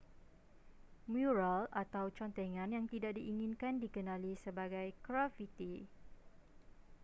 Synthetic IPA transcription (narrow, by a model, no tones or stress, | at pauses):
mjuɹalat̪awt͡ʃɔnt̪ɛŋãnjaŋt̪idaʔ̚diʔiŋĩnkandikənãlisəbaɡajkɾafit̪i